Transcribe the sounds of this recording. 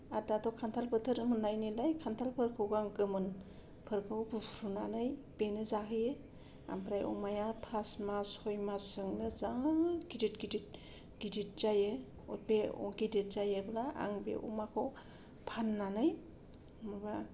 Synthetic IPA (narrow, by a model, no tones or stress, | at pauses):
adatɔkʰantʰalpʰɯtʰɯɾɯmɯnːajnilajkʰantʰalpʰɯɾkʰɯwɡaŋɡɯmɯn | pʰɯɾkʰɯwbupʰɾunanɯjbenɯzakɯjɯ | a̰mpɾajʔɔ̰majapʰasmashɔjmasɯŋnɯzaŋɡidit̚ɡidit̚ | ɡ̥idit̚zajɯ | ɔbeɔ̰ɡidit̚zajɯblaa̰ŋbḛʔṵmakʰɔ | pʰanːanɯj | mɯba